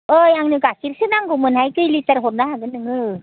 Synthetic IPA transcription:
ɯjaŋnɯɡakiɾsɯnaŋɡomɯnhajkɯjlitəɾɦot̚naɦaɡɯnɯŋɯ

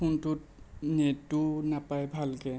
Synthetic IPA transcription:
untʊt̚netunapajbʱalkɛ

